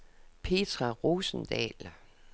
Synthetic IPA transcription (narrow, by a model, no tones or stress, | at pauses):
pʰe̝ːt͡sʰʁɑʁoːsn̩d̥ɛ̰ːl